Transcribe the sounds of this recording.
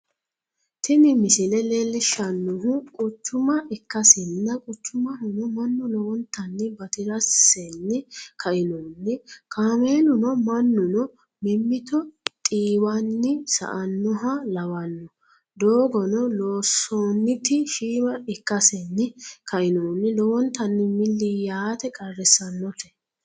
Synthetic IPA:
t̪ɪnɪmɪsɪlɛlelːɪʃɐnːʊɦʊkʼʊt͡ʃːʊmɐʔɪkːɐsɪnːɐkʼʊt͡ʃːʊmɐɦʊnɔmɐnːʊnɔwɔnt̪ːɐnːɪbɐt̪ɪɾɐsːɛnːɪkʰɐʔɪnɔnːɪkaːmeːnʊnɔmɐnːʊnɔ | mɛmːɪt̪ɔt̪ʼiːwɐnːɪsɐ̰ʔɐnːɔɦɐlɐwɐnːɔ | d̪oːɡɔnɔlo̞ːsɔːnːɪt̪ɪʃiːmɐɪkːɐsɛnːɪkɐʔɪnoːnːɪlɔwɔnt̪ːɐnːɪmɪlːɪjaːt̪ɛkʼɐrːɛsɐnːɔt̪ɛ̥

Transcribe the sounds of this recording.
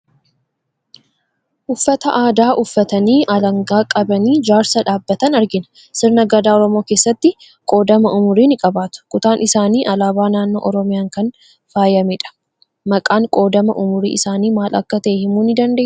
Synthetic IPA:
ʔʊfːɐt̪ɐʔaːd̪aːʔʊfːɐt̪ɐniːʔɐlɐŋɡaːkʼɐbɐniːd͡ʒaːɾsɐᶑaːbːɐt̪ɐnɐɾɡɪnɐ̥ | sɪɾnɐɡɐd̪aːɔɾɔmo̞ːkeːsːɐt̪ːɪ | kʼo̞ːd̪ɐmɐʊmʊɾiːnɪkʼɐbaːt̪ʊ̥kʊt̪aːnʔɪsaːniːʔɐlaːbaːnaːnːo̞̰ːʔɔɾɔmɪjaːŋkɐn | faːjɐmɪᶑɐ̥ | mɐkʼaːŋkʼo̞ːd̪ɐmɐ̰ʔʊmʊɾḭːʔɪsaːniːmaːlʔɐ̰kːɐt̪eːhɪmuːnɪd̪ɐnd̪e̞ː

